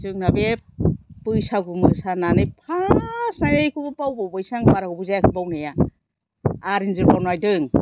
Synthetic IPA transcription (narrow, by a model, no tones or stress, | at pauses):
zɯŋnabe | pɯjsaɡumɯsananɯjpʰasnajnajkʰubɯpawbawbajsaŋbaɾaɡubɯzajakʰɯbawnaja | aɾinzɯɾbanajdɯŋ